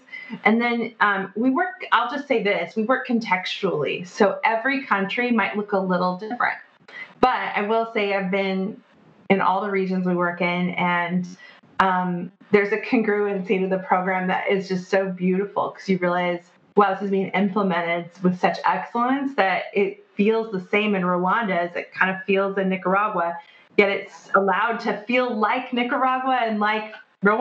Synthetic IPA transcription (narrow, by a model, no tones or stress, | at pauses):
ʔɨ̃nðɨ̃nʔʌ̃mwiwɜ˞kaɪlˠd͡ʒʌstseɪðɪswiwɜ˞kʰːɨ̃n̩tʰɛkst͡ʃl̩ˠḭsoʊʔɛvɹikʰʌ̃nt͡ʃɹ̥imaɪʔlʊkəlɪɾl̩ˠdɪfɹɨ̰̃nt̚ | b̥ʌɾa̰ɪwɪlˠseɪaɪvbɪ̃n | ɨ̃nʔɔ̰lˠðəɹid͡ʒɨ̃nzwiwɜ˞kɪ̃nɨ̃n | ʔʌ̃mðə˞zɨkʰɨ̃ŋɡɹʉɨ̃nsiwɨðɨpʰɹ̥oʊɡɹæ̃mðɨ̰ɾʔɪ̰zd͡ʒʌstsoʊbjʉɾəfl̩ˠkʰʌ̥z̥jɨɹilˠaɪz̥ | wɛlˠðɨsɨzbiɪ̃ŋɪ̃mpləmɛ̃ɾ̃ɪd̚wɨð̥sʌt͡ʃɛksl̩ˠə̃nsðɨɾɪt̚filˠzðəsẽɪ̃mɨ̃nɹoʊɑ̃ndɨzɨ̰t̚kʰãɪ̃ndɨ̥filˠzɨ̃nːɪkə˞ɑɡwə | jɛɾɨtsəlaʊd̚tʰɨfilˠlaɪknɪkə˞ɑɡwəɨ̃nlaɪk | ɹoʊ